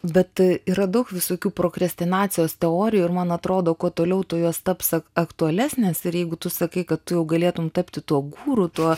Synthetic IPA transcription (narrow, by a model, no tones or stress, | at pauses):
bʲɛt̪iːɾɐd̪ɐʊkʋʲɪsoːkʲuːpɾoːkɾɐsʲt̪ʲɪnɑːt̪t͡ssʲɪjoːst̪ʲɛoːɾʲɪjuɪɾmɐnɐt̪ɾoːd̪oːkuɔt̪oːlʲɛʊt̪ʊjuɔst̪ɐpsɐɐkt̪ʊɐlʲæːsʲnʲeːsɪɾjɛɪɡʊt̪ʊsɐkɐɪkɐt̪tʊjɛʊɡɐlʲeɛt̪ʊmt̪ɐpʲt̪ʲɪt̪uɔɡuːɾʊt̪uɔ